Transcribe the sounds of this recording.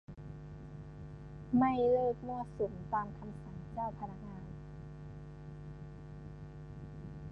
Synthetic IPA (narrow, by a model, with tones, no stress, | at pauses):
ma˥˩jlɤː˥˩k̚mu˧˥˩əsu˩˦mt̪aː˧mkʰa˧msa˩˦ŋt͡ɕaː˥˩wpʰa˧na˦˧˥k̚ŋaː˧n